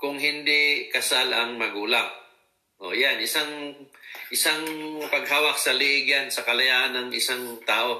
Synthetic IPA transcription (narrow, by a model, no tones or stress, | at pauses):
kʊŋɦɪnd̪ɪʔkɐsalɐŋmɐɡuːlaŋ | ʔo̰janʔɪsaŋ | ʔɪsaŋpɐɡ̚haːwɐk̚sɐlɪʔɪɡansɐkɐlɐjaːʔanɐŋʔɪsaŋt̪aːʔo̞